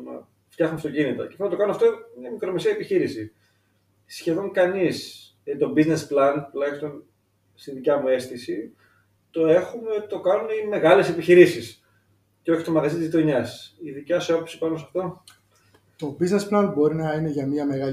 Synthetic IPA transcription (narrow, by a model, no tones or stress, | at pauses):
nɐ̰ | ft̪jɐxumest̪o̞cinit̪o̰cefunɐt̪oɐnunɐft̪omɐmikɾo̞me̞seɐepiçiɾisi | sçe̞ðo̞ŋkɐnis | et̪o̞bizne̞splɐntulɐçist̪o̞n | st̪iðicɐmue̞st̪isi | t̪o̞e̞xumet̪o̞kɐnuneime̞ɣɐle̞se̞piçiɾisis | ceo̞çi̥t̪o̞mɐɣɐzit̪izit̪o̞ɲɐsiðicɐseopopsi̥pɐnosɐft̪o̞ | t̪o̞biznesplɐnbo̞ɾinɐine̞ʝɐmiɐmeɣɐ